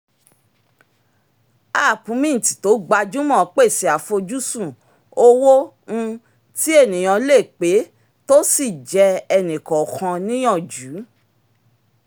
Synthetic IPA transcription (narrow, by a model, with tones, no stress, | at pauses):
a˦˨pũ˨˦mĩ˦n̩˨ti̥˨to˨˦ɡ͡ba˧d͡ʒu˦mɔ̃˦˨˦k͡pe˦˨si˨a˨fo˧d͡ʒu˦sũ˦˨ | o˦wõ˦˧ | ti˦e˦˨nĩ˨j̃ã˧le˦˨k͡pe˨˦ | to˦si˦˨d͡ʒɛ˧ɛ˧nĩ˨kɔ˨kʰã˧nĩ˦j̃ɔ̃˦˨d͡ʒu˨˦